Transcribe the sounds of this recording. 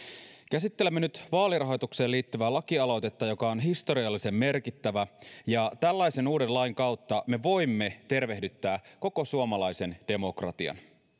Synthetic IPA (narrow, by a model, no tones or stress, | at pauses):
k̟æsit̪ːe̞lemːenyt̪ʋɑːlirɑɦo̞jt̪ukse̞ːlːiːt̪ːyʋælɑkiɑlo̞t̪e̞t̪ːɑjo̞kɑonɦist̪o̞ɾiɑlːise̞mːe̞rkit̪ːæʋæjɑt̪ælːɑjse̞nuːdenlɑjŋkɑwt̪ːɑme̞ʋo̞jmːe̞t̪e̞rʋe̞ɦdyt̪ːæːko̞ko̞suomɑlɑjse̞nd̥e̞mo̞krɑ̰t̪iɑ̰n